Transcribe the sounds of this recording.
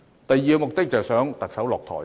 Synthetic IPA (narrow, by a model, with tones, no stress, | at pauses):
t̪ɐ˨jiː˨˩kɐ˧mʊ˨˩k̚t̪ɪ˥k̚t͡sɐ˨˩wsœː˨˥ŋt̪ɐ˨k̚sɐ˨˥wlɔː˨k̚t̪ʰɔ̰ː˨˩j